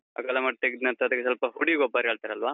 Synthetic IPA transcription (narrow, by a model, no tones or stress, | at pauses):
ɐ̰kɐlɐmaʈ̚t̪eɡd̪nɐnt̪ɐd̪ɐkːesɐlpɐɦuɽiɡobaːɾɦeɭt̪aɾeɐlʋaː